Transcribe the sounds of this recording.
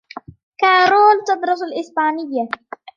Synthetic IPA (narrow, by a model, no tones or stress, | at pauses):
kaːɾoːlt̪ɑd̪ɾˤɑsalʔɪsbaːnɪjːa